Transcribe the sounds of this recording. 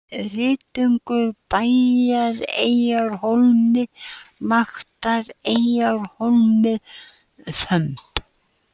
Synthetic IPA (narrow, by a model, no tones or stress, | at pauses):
rɪːt̪iŋkʏɾpaːjaɾejawɾhowlmɪmaxt̪aɾejawɾ̥holmɪ | fœmp